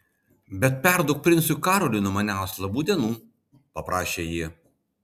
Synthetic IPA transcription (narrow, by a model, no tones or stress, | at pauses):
bʲɛt̪̚pʲɛɾd̪ʊk̚pʲɾʲɪntsʲukɑːɾɔlʲɪnʊmɐnʲæˑʊslˠɐbuːd̪ʲiɛnuː | pɐpɾʔɑːʃʲeːjiː